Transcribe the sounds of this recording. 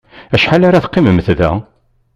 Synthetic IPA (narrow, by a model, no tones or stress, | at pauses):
æʃħalaɾaθqːiməmθðæ̰